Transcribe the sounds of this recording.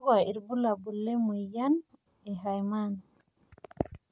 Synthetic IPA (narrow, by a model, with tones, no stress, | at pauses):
wa˨i˨ɾbu˦la˨bu˨lːe˦mu˨ja˦n | e˨ɦajman